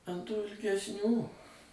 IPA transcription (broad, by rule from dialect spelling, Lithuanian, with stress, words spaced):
ɐn tuː ɪlʲɡʲɛsʲˈnʲuː